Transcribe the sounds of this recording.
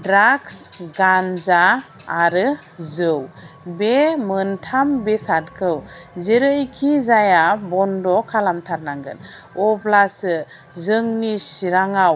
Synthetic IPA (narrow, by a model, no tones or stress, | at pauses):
dɾaksɡanzaː | ɾɯ | zɯw | bemɯntʰambesat̚kʰɯwzeɾɯjkʰizajabɔndɔkʰalamtʰaɾnaŋɡɯn | ɔblasɯ | zɯŋnisiɾaŋaw